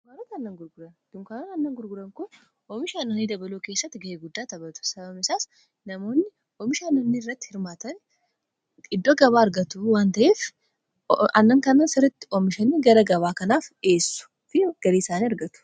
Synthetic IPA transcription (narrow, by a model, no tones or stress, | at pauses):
kaːɾɐt̪ɐnːɐŋɡʊɾɡʊɾɐnd̪̥ʊmkaːɾɐt̪ɐnːɐŋɡʊɾɡʊɾɐŋkʊ | ʔɔmɪʃanːɔniːd̪ɐbɐloːke̞ːsːɐt̪ːɪɡɐʔeːɡʊd̪ːaːt̪ɐbɐt̪ʊ̥sɐbɐmɪsaːs | nɐmo̞ːnːɪ | ɔmɪʃaːnːɐnːɪɪrːɐt̪ːɪ̥hɪɾmaːt̪ɐn | ɪd̪ːoɡɐβaːɐɾɡɐt̪uwaːnt̪ɐʔeːf | ɐnːɐŋkɐnːɐnsɪɾɐt̪ːɪ̥ɔmɪʃɐniːɡɐɾɐɡɐβaːkɐnaːfe̞ːsːʊ̥ | fɪɡ̥ɐɾeːsaːniɐɾɡɐt̪ʊ̥